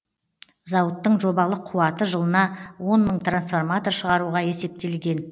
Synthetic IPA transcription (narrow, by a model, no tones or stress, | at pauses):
zɑwət̪ːəɴʒo̞bɑlˠəqʰuwɑt̪əʒəlˠənɑwo̞nməɴt̪ransfo̞rmat̪o̞rʃəʁɑɾuʁɑje̞se̞p̚t̪e̞lɡʲe̞n